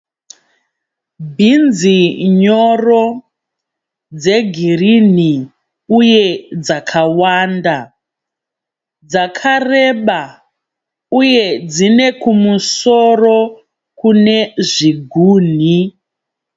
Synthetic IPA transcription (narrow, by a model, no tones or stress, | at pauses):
bʱind͡ziɲoro | d͡ze̞ɡʱirini | uje̞d͡zakʰawaːnda | d͡zakʰareɓa | uje̞d͡zine̞kumusoro̞ | kune̞ʐiɡʱuːn̤i